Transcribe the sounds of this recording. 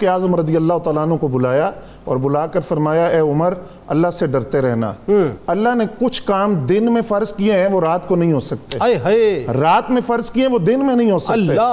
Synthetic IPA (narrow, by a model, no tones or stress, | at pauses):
keaːzəmɾɐd̪ijəlːaːɦʊt̪aːlaːnɦõkobʊlaːja | ɔ̰ːɾbʊlaːkəɾfɐɾmaːjaɛːʊməɾ | ɐlːaɦseɖɐɾt̪eɾɛɦna̰ːɐlːaɦnekʊt͡ʃʰkaːmd̪ɪnmẽfɐɾzkieɦɛ̃ʋoɾaːt̪konɐɦĩɦoːsɐk̚t̪eɦeɾaːt̪mẽfɐɾzkiɛ̃ʋod̪ɪnmẽnɐɦĩɦoːsɐeː